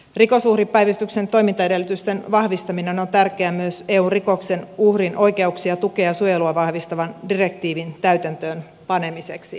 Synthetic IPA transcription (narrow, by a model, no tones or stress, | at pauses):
riko̞suhripːæjʋæst̪ykse̞nt̪o̞jmint̪ɑede̞lːyt̪yst̪e̞nʋɑhʋist̪ɑmine̞no̞nt̪ærkeæmyøse̞ːuːnriko̞kse̞nuhrinʔo̞jke̞uksiɑt̪ukeɑsujeluɑʋɑhʋist̪ɑʋɑndire̞kt̪iːʋint̪æyt̪ænt̪øːn | pɑne̞miseksi